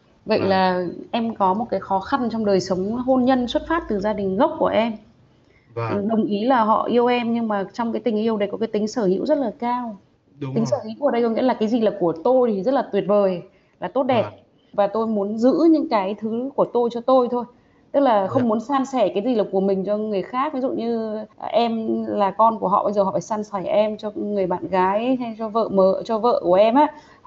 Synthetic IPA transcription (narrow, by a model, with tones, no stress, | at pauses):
və̰˧˨jlaː˨˩ʔɛ˧mkɔ˨˦mo˨˩t̚kaː˨˦jxɔ˨˦xa˧nt͡ɕɔ˧wŋ͡mɗəː˨˩jsə˨˦wŋ͡mɦo˧nɲə˧nswə˦˥t̚faː˦˥p̚t̪ɨ˨˩zaː˧ɗï˨˩ŋ̟ɣə˦˥wk͡p̚ku˧˩əʔɛ˧m˨ | ɗə˨˩wŋ͡mʔi˨˦laː˨˩ɦɔ̰˧˨ʔi˧əwʔɛ˧mɲɨ˧ŋmaː˨˩t͡ɕɔ˧ŋ͡mkaː˨˦jt̪ï˨˩ŋ̟ʔi˧əwɗə˧˩jkɔ˨˦kaː˨˦jt̪ï˨˦ŋ̟səː˧˩hḭ˧˥wzə˦˥t̚laː˨˩kaː˧w | t̪ï̟˨˦səː˧˩hḭ˧˥kːɗə˧jkɔ˧˦ŋ̰˧˥laː˨˩kaː˨˦jzi˨˩laː˨˩ku˧˩ət̪o˧jt̪ʰi˨˩zə˦˥t̚laː˨˩t̪wi˨˩ət̚vəː˨˩j | laː˨˩t̪o˦˥t̚ɗɛ˨˩p̚ | vaː˨˩t̪o˧jmu˨˦ənzɨ̰˧˥ɲɨ̰˧˥ŋkaː˨˦jt̪ʰɨ˨˦ku˧˩ət̪o˧jt͡ɕɔ˧t̪o˧jt̪ʰo˧j | t̪ɨ˦˥k̚laː˨˩xə˧wŋ͡mmu˨˦ənsaː˧nsɛ˧˩kaː˨˦jzi˨˩laː˨˩ku˧˩əmï˨˩ŋ̟t͡ɕɔ˧ŋɨ˨˩əjxaː˦˥k̚vi˨˦zṵ˧˨ɲɨ˧ʔɛ˧mlaː˨˩kɔ˧nku˧˩əɦɔ̰˧˨ɓə˧jzəː˨˩ɔ̰˧˨˩faː˧˩saː˧nsa˧˩jʔɛ˧mt͡ɕɔ˧ŋɨ˨˩əjɓa̰ː˧˨nɣaː˨˦jt͡ɕɔ˧və̰ː˧˨məː˧˩˨t͡ɕɔ˧və̰ː˧˨ku˧˩əʔɛ˧mʔaː˧˥